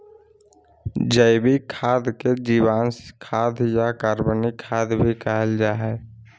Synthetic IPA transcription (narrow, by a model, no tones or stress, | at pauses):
d͡ʒəɪbikʰaːd̪ked͡ʒiːwaːnskʰaːd̪jakəɾbənikʰaːd̪bʱikaɦəld͡ʒaːɦɛː